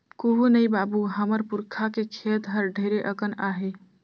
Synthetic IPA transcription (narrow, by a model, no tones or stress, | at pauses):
koɦunəjbabuɦəməɾpuɾkʰakekʰet̪ɦəɾɖʱəɾeʔəkənaɦe